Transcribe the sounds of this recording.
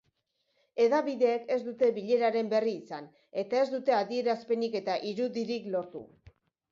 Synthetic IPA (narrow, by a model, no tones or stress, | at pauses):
e̞ðaβiðe̞ːke̞zd̪ut̪e̞βiʎe̞ɾaɾe̞mbe̞riːsan | e̞t̪ae̞zd̪ut̪e̞aðie̞ɾaspe̞nike̞t̪aʔiɾuðiɾiklo̞ɾt̪ṵ